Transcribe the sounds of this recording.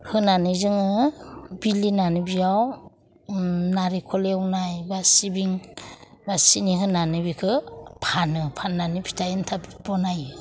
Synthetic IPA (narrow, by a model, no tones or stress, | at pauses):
hɯnanɯzɯŋɯbilinanɯbijaw | naɾikʰɔlewnajbasibiŋ | basiniɦɯnanɯbikʰɯpʰanɯpʰanːanɯpʰi̥tʰajɯntʰabibɔnaj